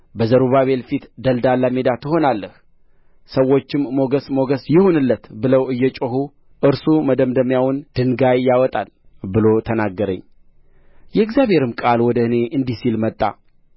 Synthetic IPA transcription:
bəzəɾuβaβe̞lfit̪d̪əld̪alːame̞d̪at̪ʰɨɦo̞nalːəh | səwːo̞t͡ʃːɪmːo̞ɡəsmo̞ɡəsjɪhonɨlːət̪bɨləwɨjːɛt͡ʃʼoɦu | ʔɨɾsuməd̪əmd̪əmjawʊnd̪̥ɨŋɡajːawɔt̪ʼalbɨlo̞t̪ʰənaɡːəɾə̰ɲː | jɛɨɡzjaβhe̞ɾɨmkʼalwɔd̪əɨne̞ʔɨnd̪isilmət̪ʼːa̰

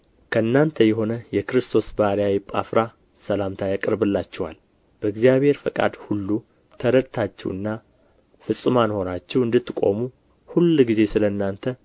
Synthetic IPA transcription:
kʰəɨnːant̪ʰəjɛɦo̞nəjɛkɨɾɨst̪ʰo̞sbaɾijajɪpʼːafɾa | səlamt̪ʰajakʼɨɾbɨlːat͡ʃːɛwa̰l | b̥əɨɡzijaβhe̞ɾfəkʼa̰d̪hulːu | t̪ʰəɾəd̪t̪ʰat͡ʃːɛ̰wɨ̰nːa | fɨsʼɨmanho̞nat͡ʃːɛwɨnd̪ɨt̪ːɨkʼo̞̰mu | hulːɡize̞sɨləɨnːant̪ʰə

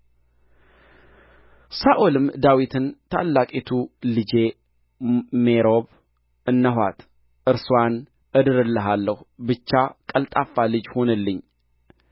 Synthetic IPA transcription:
saʔolɨmd̪awit̪ʰɨnt̪ʰa̰lːakʼet̪ʰulɨd͡ʒe̞ | meɾo̞β | ʔɨnːəɦʷwa̰t̪ | ʔɨɾsuan | ʔɨd̪ɨɾɨlːəɦalːəhbɨt͡ʃːakʼəlt̪ʼafːalɨd͡ʒho̞nəlːɨɲː

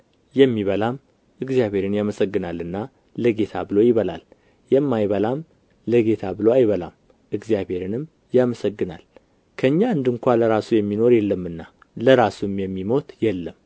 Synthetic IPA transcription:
jɛmːiβəlam | ʔɨɡzijaβʱe̞ɾɨnjaməsəɡːɨnalːɨnːa | ləɡe̞t̪ʰabɨlo̞jɪβəla̰l | jɛmːajβəlam | ləɡe̞t̪ʰabɨloajβəla̰m | ʔɨɡzijaβhe̞ɾɨnɨm | jaməsəɡːɨna̰l | kʰəɨɲːaɨnd̪ɨŋkʷaləɾasujɛmːino̞ɾjɛlːəmːɨnːa | ləɾasumjɛmːimo̞t̪jɛlːəm

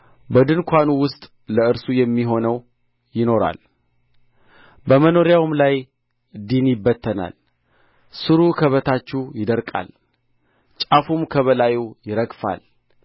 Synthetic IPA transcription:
bəd̪ɨnkʷʰanuwʊst̪ʼ | ləɨɾsujɛmːiɦo̞nəw | jɪno̞ɾa̰l | bəməno̞ɾjawmlaj | d̪injɪbːət̪ʰːəna̰l | sɨɾukʰəβət̪ʰat͡ʃːujɪd̪əɾkʼa̰l | t͡ʃʼafumkʰəβəlajujɪɾəɡfa̰l

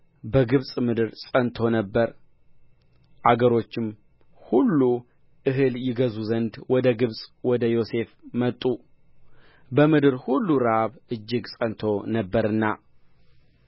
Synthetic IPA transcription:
bəɡɨβsʼmɨd̪ɨɾsʼənt̪ʰo̞nəbːəɾ | ʔaɡəɾo̞t͡ʃːɪm | hulːu | ʔɨɦɨljɪɡəzuzənd̪wɔd̪əɡɨβsʼwɔd̪əjo̞se̞fmət̪ʼːu | bəmɨd̪ɨɾhulːuɾaβʔɨd͡ʒːɪɡsʼənt̪ʰo̞nəbːəɾɨnːa̰

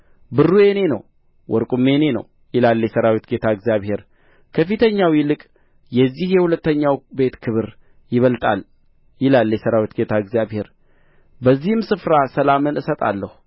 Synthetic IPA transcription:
bɨrːuje̞ne̞nə̰w | wʔɔɾkʼume̞ne̞nə̰w | jɪlalːjɛsəɾawit̪ɡet̪ʰaəɡzijaβhe̞ɾ | kʰəfit̪ʰəɲːawjɪlɨkʼ | jɛzːihjɛhulət̪ːəɲːawbe̞t̪kʰɨβɨɾ | jɪβəlt̪ʼa̰l | jɪlalːjɛsəɾawit̪ɡet̪ʰaɨɡzjaβhe̞ɾ | bəzːihɨmsɨfɾasəlamɨnɨsət̪ʼa̰lːəhu

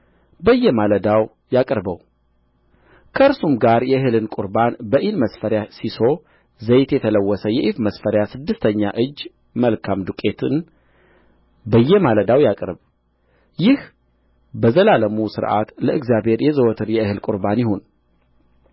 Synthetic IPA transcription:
bəjːɛmaləd̪aw | jakʼɾbəw | kʰəɨɾsumɡaɾjɛɨhɨlɨnkʼuɾbanbəʔilməsfəɾjasiso̞ | zəjt̪jɛt̪ʰələwːɔsəjɛʔifməsfəɾjasɨd̪ːɨst̪ʰəɲːa̰ʔɨd͡ʒː | məlkʰamd̪ukʼe̞t̪ʰɨn | bəjːɛmaləd̪awjakʼɾβ | jɪh | bəzəlaləmusɨɾʔa̰t̪ləʔɨɡzjabʱhe̞ɾjɛzəwɔt̪ʰɨɾjɛɨhɨlkʼuɾbanjɪho̞n

